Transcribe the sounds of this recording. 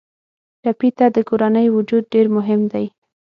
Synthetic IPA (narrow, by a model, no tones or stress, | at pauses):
ʈapit̪ad̪əkoɾanəjwʊd͡ʒud̪̚ɖeɾmʊɦɪmd̪aj